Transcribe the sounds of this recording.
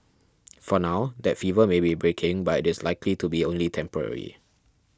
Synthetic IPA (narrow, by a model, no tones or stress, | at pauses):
fɔnaʊd̪ɛtfivəmebibɹekʰɪ̃ŋbatɪtɪslaɪkʰlitubiõnlitʰɛ̃mpɔɹɛ̰ɹḭ